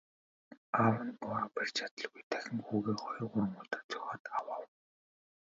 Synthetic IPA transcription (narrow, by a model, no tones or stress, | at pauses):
awə̆nɔɾapær̥ʲt͡ɕʰat̪ə̆ɮɣujt̪ʰæxʲɪ̆ŋxuːɣeːχɔjɞɢʊɾə̆ŋʊɮt̪ə̆rt͡sʰʊxʲaːt̪awaːw